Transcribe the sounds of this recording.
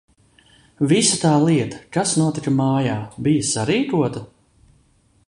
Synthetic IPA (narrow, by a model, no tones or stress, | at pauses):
visɐt̪aːlˠiɛt̪ɐ̥kasnuɔt̪ikɐmaːjaːbijɐsaɾiːkuɔt̪ɐ